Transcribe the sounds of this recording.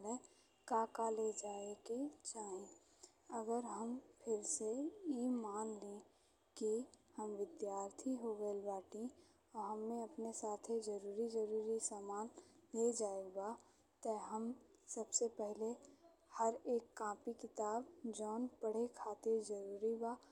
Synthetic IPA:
le | kaːkaled͡ʒaːeket͡ʃaːɦĩ | əɡəɾɦəmpʰɪɾsejemaːnlẽ | kihəmʋɪd̪jaːɾt̪ʰiɦoɡəibaːʈĩ | ɔɾɦəmːẽɐpnesaːt̪ʰed͡ʒɐɾuːɾid͡ʒəɾuːɾisaːmaːnled͡ʒaːeɡa | t̪əɦəmsəbsepɛɦle | həɾeːkːãːpikɪt̪aːbd͡ʒɔːnpəɽ̤ekʰaːt̪ed͡ʒəɾuːɾibaː

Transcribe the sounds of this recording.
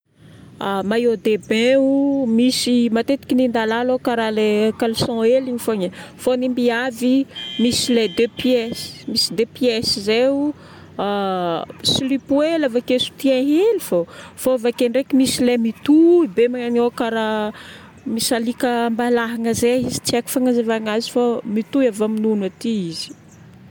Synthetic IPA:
amajod̪ebeumisimat̪et̪i̥kʲinind̪alalokaɾalekalisɔ̃eliɲifoɲəfonimbiavimisiled̪epiɛsi̥misid̪epjesizeu | a | silipuelavakesu̥t̪iãɦelifofovakeɳɖ͡ʐekimisilemit̪uibemaanokaɾa | misalikəmbalaɦaŋəzeizi̥t͡siaku̥faŋazevaŋazi̥famit̪uavaminunat̪iiz̥i̥

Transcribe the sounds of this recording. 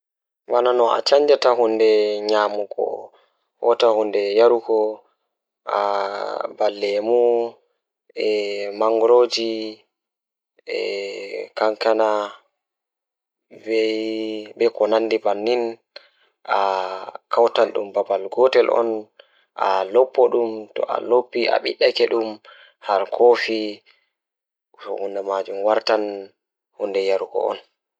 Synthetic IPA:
wananɔa̰t͡ʃaɲd͡ʒataɦundɛɲaːmuɡɔ̰ | hɔtahundɛjaɾuɡɔ | a | balːɛmu | ɛmaŋɡɾod͡ʒi | ɛ | kaŋkana | vɛjbɛkɔnanːdibanːin | ʔakawtanɗṵmbabalɡɔtɛlʔɔ̰n | ʔa̰lɔpːɔɗumtɔ̰ʔa̰lopːiʔa̰ɓiɗːakɛɗum | haɾkʰofi | ɔ̰hundɛmad͡ʒumwaɾtan | hundɛjaɾuɡɔ̰ɔ̰n

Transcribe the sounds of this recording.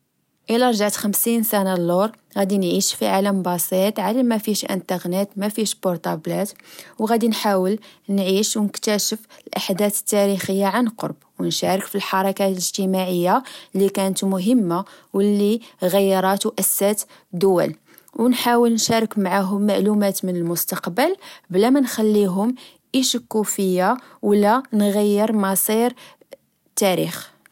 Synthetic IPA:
ʔəlæɾˤʒaʕt̪xəmsinsænalːoɾˤ | ɣæd̪inʕiʃfiʕaləmbɑsˤit̪ʕalæmæfiʃʔə̰nt̪əɣnət̪mæfiʃbʊɾt̪ɑblæt̪wɣæd̪inħawəlnʕiʃwnəkt̪æʃəfəlʔaħd̪æt̪ə̥t̪ːæɾixəjːaʕanqo̰ɾˤbwnʃæɾˤəkfilħɑɾˤɑkaləʒt̪əmaʕəjːalikænət̪mʊɦəmːa | wəlːiɣæjːɾˤɑt̪wʔæsːæt̪ | d̪ʊwæ̰l | wnħawəlnʃæɾˤɑkmʕaɦʊmːaʕlumæt̪mənəlmʊst̪ɑqbəlblæmænxælːiɦʊm | ʔiʃəkːufəjːawlːænɣæjːəɾmɑsˤiɾ | t̪ːæɾḭx

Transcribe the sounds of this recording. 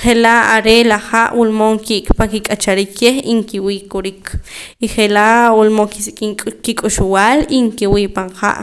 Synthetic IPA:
χelaʔaɾelaχaʔwulmoŋkiʔkpaŋkikʼat͡ʃaɾiːkʰːeχiŋkiwiːʔkoɾikʰiχelaʔwulmoŋkisikʼikikʼuʃuwaːliŋkiwiːʔpaɴχa̰ʔ

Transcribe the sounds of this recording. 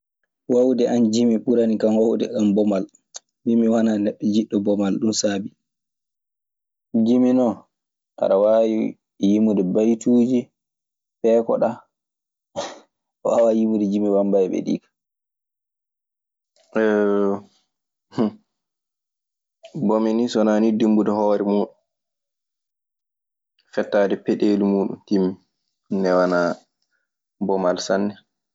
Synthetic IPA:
wawdɛʔand͡ʒimiɓuɾanikanwawdɛ̰kambɔmal | mimiwananɛɓːɛd͡ʒiɗːɔbɔmalɗumsaːbi | d͡ʒiminɔ | ta̰ɾawaji | jimudɛbajtuːd͡ʒi | fɛːkɔɗa | ɔawajimudɛd͡ʒimiwambajɓɛ̰ɗḭːkḁ | h | bɔmɛnisɔnaːnidimbudɔhɔːɾimuːɗun | fɛtːaːdɛpɛɗeːlimuːɗṵntimːi | nːɛwana | bɔmalsanːɛ

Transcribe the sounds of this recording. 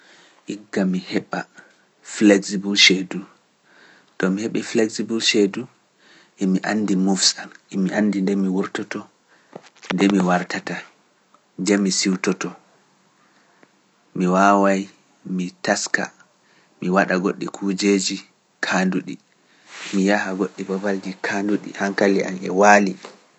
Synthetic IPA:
ʔiɡːamihɛɓa | flɛɡsibulʃedu | ɗɔmihɛɓɛflɛksibulʃedu | ʔɛmiʔanːdimufsalʔɛmiʔanːdindɛmiwuɾtɔtɔ | ndɛmiwaɾtata | d͡ʒɛmisiwtɔtɔ | miwawaj | mitaska̰ | miwaɗaɡoɗːikʰud͡ʒed͡ʒi | kʰanduɗi | mijahaɡoɗːibɔbald͡ʒikʰanduɗḭhaŋkaliʔa̰nɛ̰waːli

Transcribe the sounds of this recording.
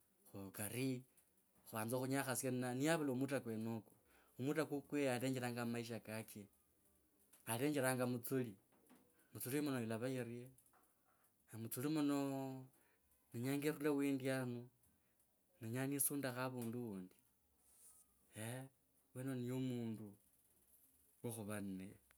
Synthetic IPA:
xukaɾi | xuβaːnzoxuɲaxasannaniaβalaumutakwenoku̥ | umutakukwealeːɲd͡ʒeɾaːŋɡamaiʃ̬akake | aleːɲd͡ʒeɾaːŋɡamut͡suli | mut͡sulimunojilaβajirie | amut͡sulimuno | neɲaŋɡerulawiːndianu | neɲanisuːndaxaβuːnduuːndi̥ | e | wenonijomuːndu | woxuβanne

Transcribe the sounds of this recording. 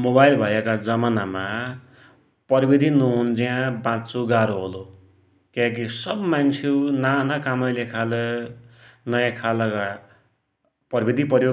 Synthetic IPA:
mobajlbʱʌjekad͡zʌmanama | pʌɾibid̪ʱinuɦund͡ziãbãt͡suɡaɾoɦolo | kãkisʌbmant͡sʰewnanakamʌjlekʰalʌ | nʌjãkʰalʌka | pʌɾbid̪ʱipʌɾjo

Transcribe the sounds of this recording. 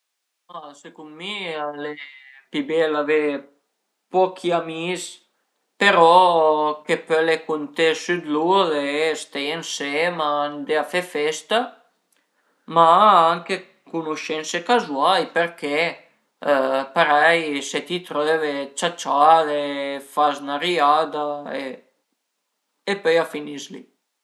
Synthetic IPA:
masekunmiale | pibelave | pɔkʰiamis | peɾɔkepølekunt̪esyd̪lulest̪eensemand̪eafefɛst̪a | maaŋke | kunuʃɛnsekazwaljpeɾke | paɾɛjset̪it̪ɾøvet͡ʃat͡ʃalefasnaɾiad̪ae | epœjafinislḭ

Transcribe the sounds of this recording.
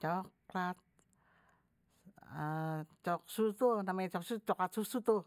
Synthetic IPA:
t͡ʃɔklat̪̚ | ət͡ʃɔk̚sut̪unamɛt͡ʃɔksut͡ʃɔklat̪susut̪u

